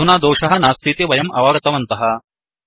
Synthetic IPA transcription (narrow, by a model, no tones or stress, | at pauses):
unaːd̪oːʂɐɦɐnaːst̪ʰit̪eʋɐjɐmɐ̰ʋaːɡɐt̪ɐʋɐnt̪ɐɦɐ